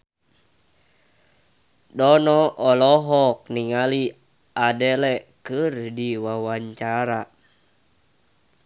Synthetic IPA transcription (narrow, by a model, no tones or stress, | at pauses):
dɔnɔʔɔlɔɦɔk̚niŋali | adɛlɛkɨrdiwawaɲt͡ʃaɾa